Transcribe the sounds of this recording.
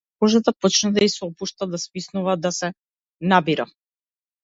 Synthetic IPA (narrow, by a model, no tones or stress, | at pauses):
kɔʒat̪apɔt͡ʃnɛd̪aisɛɔpuʃt̪ad̪aspisnuvad̪asɛ | nabiɾa